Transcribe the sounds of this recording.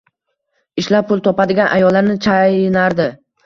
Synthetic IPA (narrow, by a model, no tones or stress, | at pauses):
ɪʃlap̚pʊlˠt̪ʰɒpad̪ɪɡʲanʔa̰jɒlːaɾnɪt͡ʃʰajnaɾd̪ɪ